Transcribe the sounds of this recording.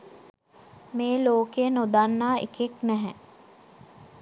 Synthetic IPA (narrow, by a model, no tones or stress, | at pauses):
meːloːkenod̪anːaːḛkeknɛɦɛ